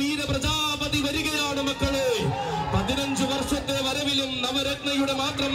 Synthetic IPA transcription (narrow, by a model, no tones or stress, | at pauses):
iːɾɐpɾɐd͡ʑaːpɐðiʋɐɾiɣɐjaːɳɐmɐkːɐɭeːpɐðinɐɲd͡ʒɨʋɐrʂɐt̪ːeʋɐɾɐʋilumnɐʋɐɾeɡɳɐjuɽemaːkrɐm